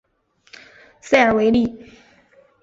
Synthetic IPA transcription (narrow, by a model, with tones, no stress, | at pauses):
sa˥˩ə˞˨˩we˧˥ɪli˥˩